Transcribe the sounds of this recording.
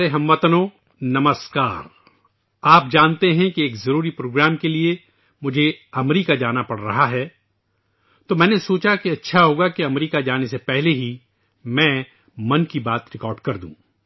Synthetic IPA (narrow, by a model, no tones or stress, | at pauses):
ɾeɦɐ̃mʋət̪no | nɐməskaːɾ | aːp̚d͡ʒaːnt̪eɦɛ̃kieːkzɐɾuːɾipɾoːɡɾaːmkelie | mʊd͡ʒʱeɐmɾiːkad͡ʒaːnapɐɽ̤ɾɐɦaɦɛː | t̪oːmɛ̃ːnesoːt͡ʃakiɐtːʃʰaɦoːɡakiɐmɾiːkad͡ʒaːnesepɛɦleɦi | mɛ̃ː | mɐnkibaːt̪ɾɪkɔːɾɖkɐɾd̪ũː